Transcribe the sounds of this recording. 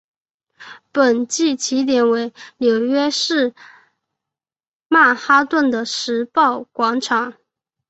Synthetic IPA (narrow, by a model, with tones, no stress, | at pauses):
pə˨˩nt͡ɕi˥˩t͡ɕʰi˧˥t̪̬jɛ˨˩nwe˧˥ɪljo˨˩ʊɥɛ˥ʂɻ̩˥˩ | ma˥˩xa˥t̪wə˥˩nd̪ə˩ʂɻ̩˧˥pɑ˥˩ʊkwɑ˧˥ŋʈ͡ʂʰɑ˨˥˦ŋ